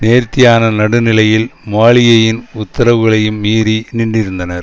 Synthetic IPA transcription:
neːɾt̪ːɪjaːnɐnɐɽɯnɪlɐjɪlmaːɭɪjɐjɪnʊt̪ːɐɾɐʋɯɣɐɭɐjɯmːiːɾiniɳɖɪɾɯnd̪ɐnɐɾ

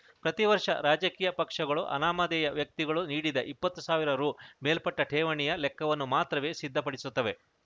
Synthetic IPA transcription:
pɾɐt̪iʋɐɾʂɐ̰ɾaːd͡ʒɐkiːjɐpɐkʂɐɡɐɭuʔɐ̰naːmɐd̪ɛjɐʋjɐk̚t̪iɡɐɭuniːɽid̪ɐʔipːɐt̪ːusaːʋiɾɐɾuːmeːlpɐʈːɐʈʰɛːʋɐɳijɐlɛkːɐʋɐnːumaːt̪ɾɐʋe̞ːsid̪ʱːɐpɐɽisut̪ːɐʋe̞

